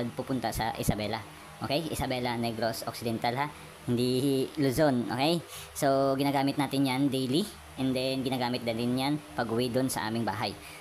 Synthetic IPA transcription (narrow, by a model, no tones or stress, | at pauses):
d̪̚pupʊnt̪ɐsɐ̰ʔɪsɐbɛlɐ | ʔoːkɛjʔɪ̰sɐbɛːlɐnɛɡɾosʔok̚sɪd̪ɛnt̪alɦa | hɪnd̪ilʊsonʔoːkɛj | so̞ɡɪnaːɡaːmɪt̪̚naːt̪ɪnjand̪ejli | ʔɛnd̪ɛnɡɪnaːɡaːmɪt̪̚d̪ɐlɪnjanpɐɡʔʊwɪd̪ʊnsɐ̰ʔa̰ːmɪŋbaːɦaj